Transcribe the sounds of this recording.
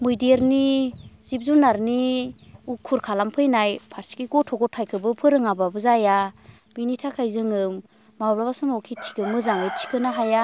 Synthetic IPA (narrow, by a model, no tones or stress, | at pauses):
mujdeɾnizip̚zunaɾni | ukʰːuɾkʰalampʰɯjnajpʰaɾsi̥kiɡɔtʰɔɡɔtʰajkʰɯbɯpʰɯɾɯŋababɯzaja | binitʰakʰajzɯŋɯm | mawbabasɔmɔkʰitʰi̥kɯmɯzaŋɯjtʰi̥kɯnaɦaja